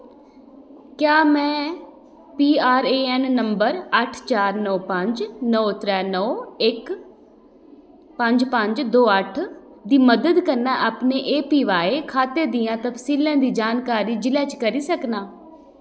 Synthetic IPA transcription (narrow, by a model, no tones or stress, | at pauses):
kjaːmɛ̃ː | piːaːɾeːɛːnːəmbəɾəʈʰt͡ʃaːɾnɔːpəɲd͡ʒnɔːt̪ɾɛːnɔːɪk | pəɲd͡ʒpəɲd͡ʒd̪oːəʈʰ | d̪iːməd̪əd̪kəɾnãːʔaːpneːʔeːpiːʋaːeːkʰaːt̪eːd̪ijãːt̪əpsiːlãːd̪iːd͡ʒaːnkaːɾiːd͡ʒɪlɛːt͡ʃkəɾiːsəknaː